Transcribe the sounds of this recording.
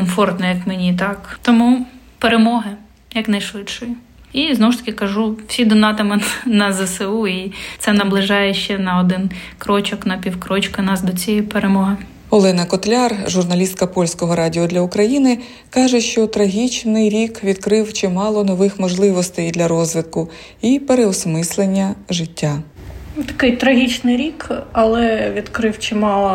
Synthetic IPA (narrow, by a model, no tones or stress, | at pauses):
kɔmfɔrt̪nɔjɐkmenʲit̪ɑkt̪ɔmu | peɾemɔɦɪ | jɐknɐjʃʋɪt̪ʃɔji | iznɔwʊʃt̪ɐ̥kʲɪkɐʒuw̥sʲid̪ɔnɑt̪ɐmɪnɐzɛseuit̪sɛnɐblˠɪʒɑjɛʃt͡ʃɛnɐɔd̪ɪn | kɾɔt͡ʃɔknɐpʲiwkɾɔt͡ʃkɐnɑsd̪ɔt͡sʲijipeɾemɔɦɪ | ɔlˠɛnɐkɔt̪lʲɑrʒʊrnɐlʲist̪̚kɐpɔlʲsʲkɔɦɔɾɑdʲiɔd̪lʲɐʊkɾɐjinɪ | kɑʒɛʃt͡ʃɔt̪ɾɐɦʲit͡ʃnɪjɾʲikʋʲid̪kɾɪwt͡ʃɪmɑlˠɔnɔʋɪxmɔʒlˠɪʋɔst̪ɛjd̪lʲɐɾɔzʲʋɪd̪̚kʊ | ipeɾeɔsmɪslˠenʲːɐʒɪtʲːa | t̪ɐ̥kɪjt̪ɾɐɦʲit͡ʃnɪjɾʲikɐlˠɛʋʲid̪kɾɪwt͡ʃɪmɑlˠɔ